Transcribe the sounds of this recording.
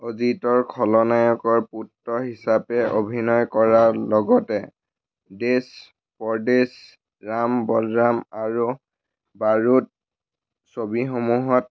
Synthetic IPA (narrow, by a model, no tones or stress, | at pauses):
ozitɔɹkʰɔlɔnajɔkɔɹputɹɔɦisapɛʔobʱinɔjkɔɹalɔɡɔtɛ | des | pɔɹdes | ɹambɔlɹamaɹu | baɹut̚ | sobixomuɦɔt̚